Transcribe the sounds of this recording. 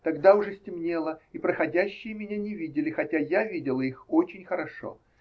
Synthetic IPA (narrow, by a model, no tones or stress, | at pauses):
t̪ɐɡd̪aʊʐɛsʲtʲɪmnʲe̞lˠəipɾəxɐdʲæɕːɪjəmʲɪnʲanʲɪvʲidʲɪlʲɪxɐtʲajavʲidʲɪlˠəixot͡ɕɪnʲxəɾɐʂo̰